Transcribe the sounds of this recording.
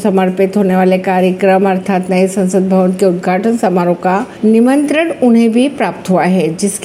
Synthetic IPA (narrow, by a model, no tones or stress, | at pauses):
sɐməɾpɪt̪ɦoːneʋaːlekaːɾjəkɾəmɐɾt̪ʰaːt̪nɐisɐ̃nsəd̪̚bʱɐʋənkeʊd̪ɡʱaːʈənsɐmaːɾõkanɪmə̃nt̪ɾəɽʊnɦẽbʱipɾaːpt̪ɦuaɦɛːd͡ʒɪsk